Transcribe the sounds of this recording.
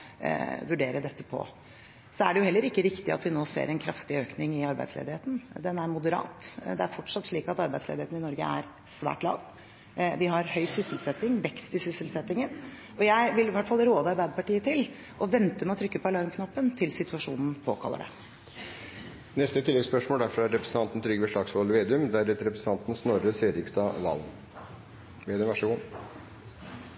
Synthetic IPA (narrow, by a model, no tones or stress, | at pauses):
ʋʉɖeːɾəd̪ɛt̪ːə̥pʰɔ̰ | sɔæ̰ɖɛjʊhɛlːəɾɪkːəɾɪkt̪ɪɑ̰t̪ʋɪnoːsḛːɾɛnkʰɾɑft̪ɪøːknɪŋɪɑɾbæ̰ɪd̪slḛːd̪ɪheːt̪n̩d̪ɛnæɾmʊd̪əɾɑ̰ːt̪d̪ɛæɾfɔʈʂɑt̪ːʂɭiːkɑt̪ɑɾbæɪslḛd̪ɪheːt̪n̩ɪnɔɾɡə̰æ̰ɾ | sʋæ̰ːʈlɑ̰ːʋ | ʋɪɦɑɾhœʏsʏsɪlsɛt̪ːɪŋʋɛkst̪ɪsʏsəlsɛt̪ːɪŋən | ɔjæɪʋɪlʋæʈfɑlːəɾoːd̪əɑɾbæɪd̪əpɑʈiːət̪ʰɪl | ʔɔʋɛnt̪əmɛɔt̪ʰɾʏkːəpɔɛlɑɾmkʰnɑpːənt̪ʰɪlsɪt̪ʉɑʂuːnn̩pʰoːkʰɑ̰lːə̰ɖɛ̰ | nɛst̪ət̪ʰɪlːɛɡspœʂmoːld̪æɾfɾɑæɾɾɛpɾəsn̩t̪ɑnt̪n̩t̪ʰɾʏɡəʋɛʂɭɑɡsʋoləʋeːd̪ʉmd̪æɾɛt̪ɾɛpɾəsn̩ʰɑnt̪n̩snɔɾəseːd̪ɪkst̪ɑʋɑ̰ln | ʋeːd̪ʉmʋæʂəɡuː